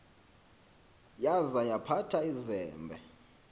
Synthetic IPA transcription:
jazajapʰatʰaizɛːmbʱɛ

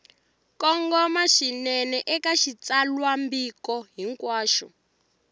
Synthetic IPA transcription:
kɔŋɡɔmaʃinɛnɛʔɛkaʃit͡salwambikɔɦiŋkwaːʃɔ̰

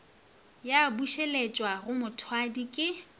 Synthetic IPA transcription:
jabuʃelet͡ʃʼwaɣʊmʊtʰwadikʼɪ

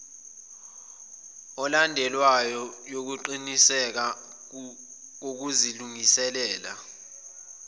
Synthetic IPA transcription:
ɔlandʱɛlwajɔjok̬uǃinisɛk̬a | k̬ok̬uziluŋisɛlɛːla̰

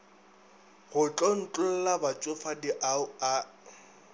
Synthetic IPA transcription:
ɣʊt͡ɬʼɔn̩t͡ɬʼʊl̩labat͡ʃʼʊfadiʔaʊa

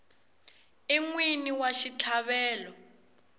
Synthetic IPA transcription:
iŋwiniwaʃitʰaβɛːlɔ

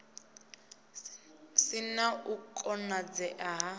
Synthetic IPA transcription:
sinaukʼɔnad͡zɛʔaɦa

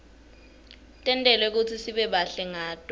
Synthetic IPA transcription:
tʼɛntʼɛlwɛek̬ut͡sʰisiɓɛɓaɬɛŋaːtʼɔ

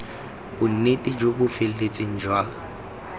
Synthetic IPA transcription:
b̥ʊn̩netʼid͡ʒobʊfel̩let͡sʼɪŋ̩d͡ʒwaː

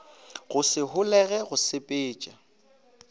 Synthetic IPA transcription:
ɣʊsɪɦʊlɛɣɛɣʊsɪpʼeːt͡ʃʼa

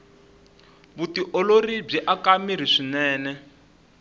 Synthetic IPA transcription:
βutiʔɔlorib͡ʐiʔakamiɾ̤iʂinɛːnɛ

